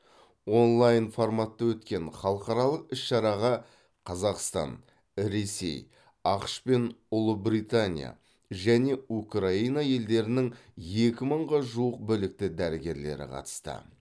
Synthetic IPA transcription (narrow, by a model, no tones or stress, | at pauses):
wo̞nlˠajnfo̞rmat̪ːɑwɵt̪kʲe̞ɴχɑlˠəqɑɾɑlˠəqɪsʃɑɾɑʁɑ | qʰɑzɑqst̪ɑ̰n | ɾe̞se̞̰j | ɑqʃpe̞nʊlˠəbɾit̪anʲḭja̰ | ʒæne̞ukraijnɑje̞ld̪e̞ɾɪnɪŋje̞kʲɪməɴʁɑʒuəq̚bʏlɪk̚t̪ɪd̪æɾɪɡʲe̞ɾle̞̰ɾɪ̰qʰɑ̰t̪ə̥st̪ə̰